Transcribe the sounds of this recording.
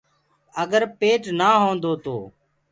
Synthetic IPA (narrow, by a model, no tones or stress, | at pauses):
əɡəɾpeːʈnaːɦõːnd̪oːt̪oː